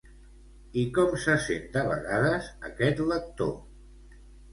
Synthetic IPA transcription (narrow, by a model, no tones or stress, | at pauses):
ikɔmsəsḛnd̪əβəɣaðəzəkɛt̪lək̚t̪o̰